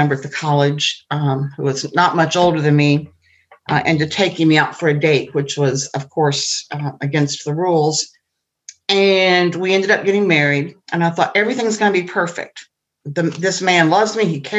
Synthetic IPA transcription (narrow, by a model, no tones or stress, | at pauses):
ɛ̃mbə˞t̪̚ðɨkʰɑlˠɪd̥ʒ̥huwʌznət̚mʌt͡ʃoʊlˠdə˞ðɨ̃nmi | ʔɨ̃ntɨtʰeɪkɪ̃ŋmiaʊtfə˞ɨdeɪt̚wɨt͡ʃwʌzʌv̥kʰɔɹsɨɡɛ̃nst̪̚ðəɹulˠz̥ | ɨ̃nwiɛ̃ndɨɾʌp̚ɡ̥ɛɾɪ̃ŋmɛɹiɾʔɨ̃naɪθɔɾʔɛvɹiθɪ̃ŋzɡʌnəbipʰɜ˞fɪ̰k̚t̪̚ | ðɨðɪsmæ̃nlʌvzmiikʰɛ